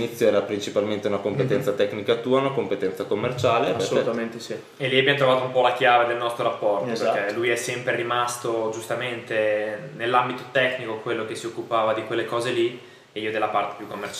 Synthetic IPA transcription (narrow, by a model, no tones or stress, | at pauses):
nit̪sːjoɛɾapɾint͡ʃipalment̪eunakompet̪ɛnt̪sat̪ɛknikat̪uːaunakompet̪ɛnt̪sakomːert͡ʃaːlepsot̪ment̪esi | elːiabjɛmnt̪ɾovaːt̪oumpɔlakjaːved̪elnɔst̪ɾoɾapːɔrt̪okpeɾkelujɛsːɛmpɾeɾimast̪od͡ʒust̪ament̪enelːambit̪ot̪ɛkːnikokwelːok̟esːiokːupaːvad̪ikwelːekɔːzeli | eiːod̪elːapart̪e̥pjukːomːert͡ʃ